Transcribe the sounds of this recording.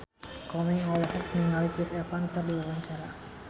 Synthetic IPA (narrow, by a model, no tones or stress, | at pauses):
kɔmɪŋɔlhɛkniŋalikɾɪsɛfant̪ərduwawaɲt͡ʃaɾa